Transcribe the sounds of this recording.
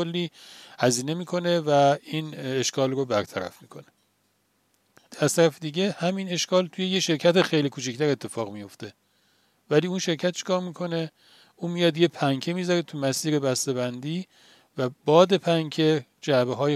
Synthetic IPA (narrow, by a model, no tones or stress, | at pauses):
olːiːhæziːne̞miːkʰo̞ne̞væiːneʃkʰɒːlrobæɾt̪ʰæɾæ̰fmiːkʰo̞ne̞ | æz̥t̪ʰæɾæfed̪iːɟe̞hæmine̞ʃkɒːlt̪ʰujejeʃe̞ɾcʰæt̪exejliːkʰuːt͡ʃʰict̪ʰæɾe̞t̪ʰːe̞fɒːɣmijo̞ft̪e̞ | væliːuːnʃe̞ɾcʰæt̪̚ʃʰe̥kʰɒːɾmiːkʰo̞ne̞ | ʔuːmijɒːd̪je̞pʰæŋcʰemizɒɾet̪ʰumæsiːɾe̞bæst̪eβænd̪iː | væbɒːd̪e̞pʰæŋkʰe̞d͡ʒæbeɦɒːje